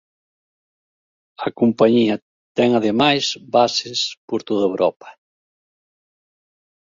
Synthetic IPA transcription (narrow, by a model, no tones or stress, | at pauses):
ɐkompaɲiɐ | t̪ɛŋɐðemajsβasespoɾt̪oðɐewɾɔpɐ̥